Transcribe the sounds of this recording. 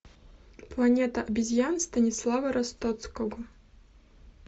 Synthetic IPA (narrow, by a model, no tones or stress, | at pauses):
plˠɐnʲet̪ɐʔɐbʲizʲjanst̪ɐnʲislˠavɐɾɐst̪ot̪skoɡɔ